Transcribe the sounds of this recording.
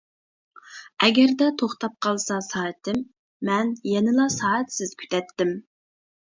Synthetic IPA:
ɛɡʲɛɾd̪ɛt̪ʰoχt̪ɑp̚qʰɑlˠsɑsɑːɛt̪ʰɪmː | ɛnjɛnɪlɑsɑːɛt̪sɪz̥kʲʰy̥t̪ʰɛt̪ːɪm

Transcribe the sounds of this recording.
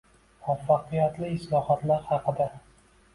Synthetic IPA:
mafːɑqɨjat̪lɪːslɒhat̪laɾhɑqʰɨd̪a

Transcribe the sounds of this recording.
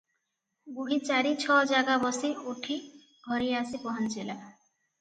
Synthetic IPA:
ɡuɦit͡ʃaɾit͡ʃʰɔd͡ʒaɡabɔsioʈʰi | ɡʱɔɾiasipɔɦɔnt͡ʃila

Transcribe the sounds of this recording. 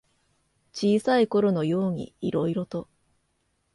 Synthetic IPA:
t͡ɕiːsaiko̞ɾo̞no̞jo̞ːɲ̟ḭːɾo̞iɾo̞t̪o̞

